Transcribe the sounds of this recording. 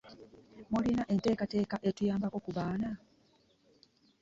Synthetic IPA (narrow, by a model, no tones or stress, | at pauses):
molinaʔe̞nte̞ːkate̞ːkaʔe̞tujaːmbako̞kuβaːna